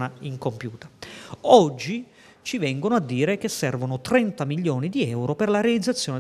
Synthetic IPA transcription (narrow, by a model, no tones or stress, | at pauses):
naiŋkompjuːt̪ḁɔd͡ʒːi | t͡ʃivɛŋɡonoad̪ːiːɾekesːɛrvonot̪ɾɛnt̪amiljoːnid̪iɛwɾoperlaɾealid̪zːat̪sːjɔːne